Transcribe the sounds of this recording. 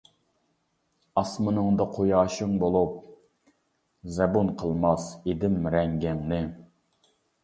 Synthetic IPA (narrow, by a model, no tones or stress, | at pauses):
ɑsmɨnɨŋd̪ɑqʰojɑːʃɪŋbolˠup̚ | zɛbunqʰəlˠmɑsed̪ɪmɾɛŋɡʲɪŋnɪ